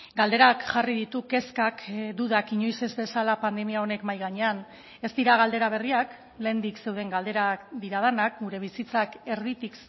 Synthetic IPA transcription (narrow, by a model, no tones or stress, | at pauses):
ɡald̪e̞ɾakʝariðit̪uke̞skakd̪uðakiɲo̞jse̞zbe̞salapand̪e̞miao̞ne̞kmajɣaɲe̞an | e̞st̪iɾaɣ̞ald̪e̞ɾaβ̞e̞riak | le̞ːnd̪ikse̞wðe̞ŋɡald̪e̞ɾakd̪iɾað̞anak̚ɡuɾe̞β̞isit͡sake̞ɾðit̪ik